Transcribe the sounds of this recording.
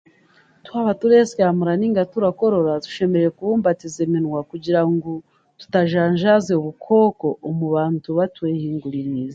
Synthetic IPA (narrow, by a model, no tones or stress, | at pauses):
twaːβatuɾeskaːmuɾaniŋɡatuɾako̞ɾo̞ɾatu̥ʃe̞meɾejekuβuːmbatizeminwakuɟiɾaŋɡo | tu̥taʒaːɲʒazeuβukʰo̞ːko̞ʔːmuβaːntuβatwehiːŋɡuɾiniːza